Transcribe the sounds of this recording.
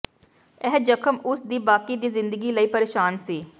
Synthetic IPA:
ɛɦd͡ʒəkʰəmʊsd̪iːbaːkiːd̪iːzɪ̃nd̪əɡiːləiːpəɾeːʃaːnsiː

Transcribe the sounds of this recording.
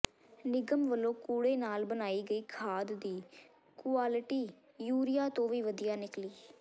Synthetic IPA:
nɪɡəmʋəlõːkuːɽeːnaːlbənaːiːɡəiːkʰaːd̪ːiː | kʊaːlɪʈiː | juːɾɪjaːt̪õːʋiːʋəd̪ɪjaːnɪkliː

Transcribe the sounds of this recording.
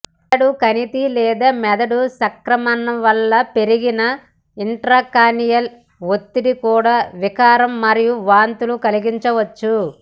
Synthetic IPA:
ɐɽukɐnit̪ilɛːd̪ɐmɛd̪ɐɽusɐkɾɐmɐnɐʋɐlːɐpe̞ɾiɡinɐ | iɳʈɾaːkaːnijɐl | ʋot̪ːiɽikuːɽaːʋikaːɾɐmːɐɾijuʋaːnt̪ulukɐliɡiɲt͡ʃɐʋɐt͡ʃːu

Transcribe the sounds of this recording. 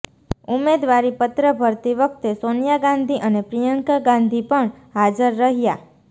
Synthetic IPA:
umed̪ʋaɾipət̪ɾəbʱəɾt̪iʋək̚t̪esonjaɡãnd̪ʱiʔənepɾijəŋkɡãnd̪ʱipəɳ | ɦad͡ʒəɾːəɦja

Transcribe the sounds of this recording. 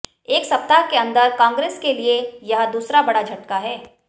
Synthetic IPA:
eːksɐp̚t̪akeɐ̃nd̪əɾkãːŋɡɾeːskeliejɐɦd̪uːsɾabɐɽad͡ʒʱɐʈkaɦɛː

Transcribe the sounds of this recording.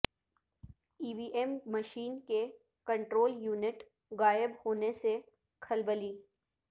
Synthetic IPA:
iːbiːʔɛmməʃiːnke | kɐ̃ɳʈɾoːljuːnɪʈ | ɣaːɪbhoːnese | kʰɐlbəliː

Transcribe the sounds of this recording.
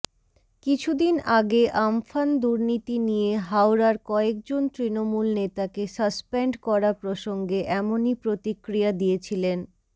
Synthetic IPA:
kit͡ɕʰud̪inaɡeʔamfand̪uɾnit̪inijeɦawɾaɾkɔek̚d͡ʑont̪ɾinomulnet̪akesəspeɳɖkɔɾapɾoʃoŋɡeʔɛmonipɾot̪ikɾijad̪iet͡ɕʰilen

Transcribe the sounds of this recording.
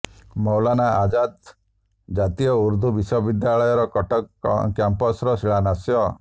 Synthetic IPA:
mɔwlanaad͡ʒad̪ | d͡ʒat̪ijɔuɾd̪ʱubisɔbid̪jaɭɔjɔɾɔkɔʈɔkjampɔsɾɔsiɭanasjɔ

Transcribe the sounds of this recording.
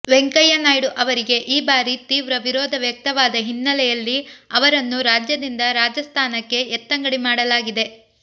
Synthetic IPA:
ʋeŋkɐjɐnaːjɽuʔɐʋɐɾiɡe̞ʔiːbaːɾit̪iːʋɾɐʋiɾɔːd̪ʱɐʋjɐk̚t̪ɐʋaːd̪ɐɦinːɐlɛjɐlːiɐʋɐɾɐnːuɾaːd͡ʒjɐd̪ind̪ɐɾaːd͡ʒɐst̪ʰaːnɐkːe̞ːt̪ːɐŋɡɐɽimaːɽɐlaːɡid̪e̞

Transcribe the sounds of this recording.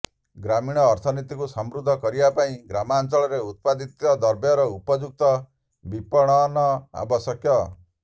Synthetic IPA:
ɡɾamiɽ̃ɔːɾt̪ʰɔnit̪ikusɔmɾud̪ʱːɔkɔɾibapaĩɡɾamaːnt͡ʃɔɭɔɾeut̪̚pad̪it̪ɔd̪ɔɾbjɔɾɔupɔd͡ʒuk̚t̪ɔ | bipɔɽ̃ɔnɔa̰bɔsjɔkjɔ

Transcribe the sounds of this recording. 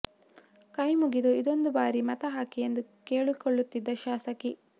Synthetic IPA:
kɐjmuɡid̪oid̪o̞nd̪ubaːɾimɐt̪ɐɦaːkiend̪ukeːɭikɔɭːut̪ːid̪ːɐʃaːsɐki

